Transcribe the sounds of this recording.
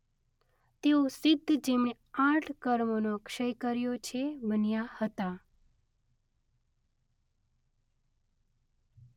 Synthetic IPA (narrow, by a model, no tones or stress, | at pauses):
t̪eosɪd̪ʱːd͡ʒemne | ãʈʰkəɾmonokʃəjkəɾjot͡ʃʰebənjahət̪a